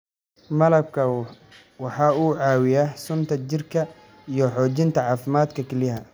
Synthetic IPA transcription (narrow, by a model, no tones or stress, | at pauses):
mɐlɐb̚kʰɐ | wɑħɑːuːʕɑːwɪjaːsʊnt̪ʰɐt͡ʃɪrkʰɐ | ijɞħɔːt͡ʃɪnt̪ʰɐʕɑːfɪmaːd̪kʰɐkʰɛlɪɦɐ